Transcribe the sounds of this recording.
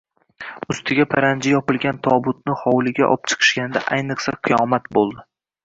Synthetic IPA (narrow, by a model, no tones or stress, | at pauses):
ʊst̪ʰɪɡʲapʰaɾand͡ʒɪjɒpɪlˠɡʲant̪ʰɒbʊt̪̚nɪhɒwlˠɪɡʲa̰ʔɒ̰p̚t͡ʃʰɨ̥qʰɨ̥ʃkʲanɪd̪a̰ʔajnɨqsaqʰɨjɒmat̪̚bolˠd̪ɪ